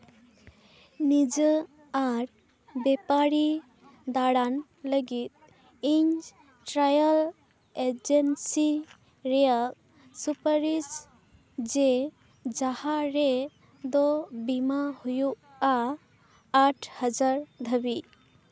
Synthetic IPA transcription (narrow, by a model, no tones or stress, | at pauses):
nid͡ʒə | aɾ | bɛpaɾi | d̪aɽan | ləɡit̪̚ | iɲ | ʈɾajəl | ed͡ʒensi | ɾɛjak | supəɾis | d͡ʒe | d͡ʒahaɾe | d̪ɔbimahujuʔ | aː | ʈʰhəd͡ʒaɾd̪ʱəbi